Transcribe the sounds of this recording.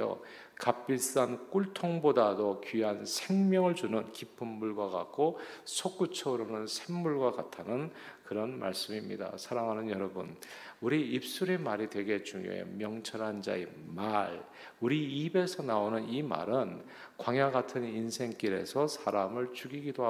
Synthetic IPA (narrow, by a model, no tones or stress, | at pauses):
o̰ | kap͈iɭs͈ank͈uɭtʰoŋbodadokiɦansʰe̞ŋmjʌŋɯɭd͡ʑunɯnkipʰɯmːuɭɡwaɡa̰k͈ʰosʰok͈ut͡ɕʰʌɾʌnɯnsʰe̞ŋːuɭɡwakatʰanɯnkɯɾʌnma̰ɭs͈ɯmimɲḭda̰sʰaɾaŋɦanɯnjʌɾʌbunuɾiːp̚s͈uɾe̞maɾidwe̞ɡe̞t͡ɕuŋjo̰ḛmjʌŋt͡ɕʰʌɾɦand͡ʑa̰e | maɭ | uɾiːbe̞sʰʌnaonɯnima̰ɾɯn | kwaŋjaɡatʰɯninsʰe̞ŋk͈iɾe̞̰sʰʌsʰaɾamɯɭt͡ɕuɡiɡidoa